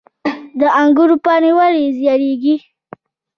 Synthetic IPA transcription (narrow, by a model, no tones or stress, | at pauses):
d̪əaŋɡuɾupɑːnewaɾizjɑɾeɡi